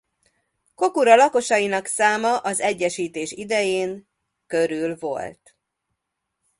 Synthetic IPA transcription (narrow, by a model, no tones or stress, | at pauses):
ko̞kuɾɒlɒko̞ʃɒjinɒksaːmɒʔɒzɛɟːɛʃiːt̪eːʃid̪ɛjeːŋ | kø̞ɾylvo̞̰lt̪